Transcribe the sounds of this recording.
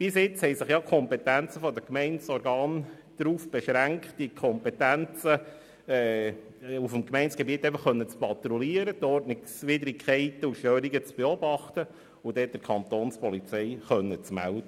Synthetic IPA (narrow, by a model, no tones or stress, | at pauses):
b̥ɪsɪt͡shɛɪsɪχjɑkʰɔmpɛt̪ænt͡səfɔd̪əkmɛɪnsɔɾɡɑːn | d̥ɾuːfb̥eʃɾæŋktd̥ikʰɔmpɛtænt͡sə | ɛː | ufmkmɛɪnsɡ̥ɛbiət̪ːɛɪfəχːœnːət͡spɑt̪ɾɔliəɾət̪ɔrtnɪksʋɪdɾikχɛɪt̪əuʃtøːɾiɡət͡sb̥eɔbɑχtə | ʊd̥ɛd̥əɾkʰɑnt̪oːnspɔlit͡sɛɪχœnːət͡smæ̰ldə